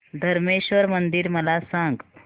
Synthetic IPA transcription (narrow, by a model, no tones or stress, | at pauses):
d̪ʱəɾmeɕʋəɾmənd̪iɾməlasãŋɡ